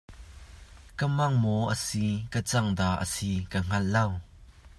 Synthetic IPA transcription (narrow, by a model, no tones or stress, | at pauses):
kəmɐŋmɔʔəsikət͡sɐŋd̪aːʔə̰sikəŋ̥ɐllɐw